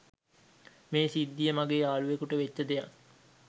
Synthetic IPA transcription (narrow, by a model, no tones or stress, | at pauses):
meːsid̪ːijəmaɡeːaːluʋekuʈəʋet͡ʃːəd̪ejak